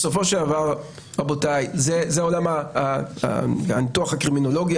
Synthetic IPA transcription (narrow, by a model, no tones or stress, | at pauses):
so̞fo̞ʃeldavaʁ | ʁabo̞tajzezeo̞lama̰ | a̰nituaχhakʁimino̞lo̞ɡja